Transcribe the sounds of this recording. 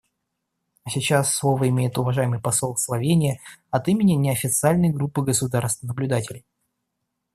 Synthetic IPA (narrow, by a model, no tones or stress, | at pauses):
ɐsʲɪt͡ɕasːlˠo̞vəɪmʲejɪt̪ʊvɐʐajɪmɨjpɐsolˠslˠɐvʲenʲɪjəɐt̪imʲɪnʲɪnʲɪɐfʲɪt̪sɨalʲnəjɡɾupːɨɡəsʊd̪arst̪vnəblʲʊd̪atʲɪlʲɪj